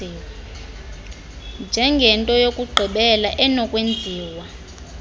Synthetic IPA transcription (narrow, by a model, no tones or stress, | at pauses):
nd͡ʒʱɛŋɡʱɛntʼɔjokʼuɡ͡ǃʱiɓɛlaʔɛnɔkʼwend͡zʱiːwa